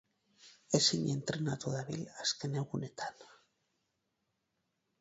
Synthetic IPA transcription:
esiɲent̪ɾenat̪oðaβilaskeneɣunet̪ʰan

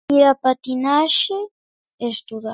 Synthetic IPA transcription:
iɾapat̪inaʃe | est̪uða

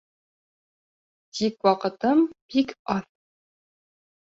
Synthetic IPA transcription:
tʰikwɑqət̪ɨmpikɑθ

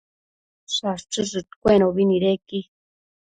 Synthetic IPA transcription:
saʂt͡ʃɨsɨt̪kʷenoβiniɾeki

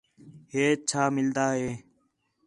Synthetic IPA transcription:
ɦeːt͡ʃʰaːmɪld̪aːɦeː

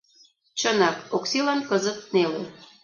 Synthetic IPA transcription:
t͡ɕənɑkoksilɑnkəzə̆t̪̚nele

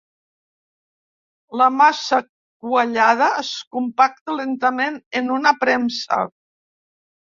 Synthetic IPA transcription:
ləmasə | kwəʎað̞əːskumpak̚t̪əlent̪əmenənunəpɾɛmsə̰

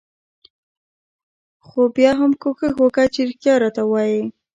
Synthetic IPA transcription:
xobjɑɦamkoxəxwokat͡ʃiɾkjɑɾɑt̪awɑji

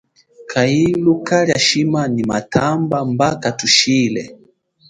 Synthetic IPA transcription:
kʰailukaɾjaʃimanima̰tʰambambakatuʃilɛ

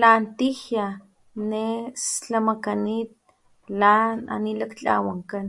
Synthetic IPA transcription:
lant̪ihja | nest͡ɬamakanit̪̚ | lana̰nilakt͡ɬa̰waŋkan

